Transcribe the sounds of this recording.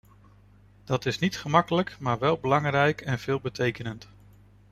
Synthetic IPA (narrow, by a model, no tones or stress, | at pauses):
d̥ɑtɪsnitχəmɑkələkmaːɹʋɛlˠbəlɑŋrɛjkɛnv̥ɪːlˠbətʰejkənənt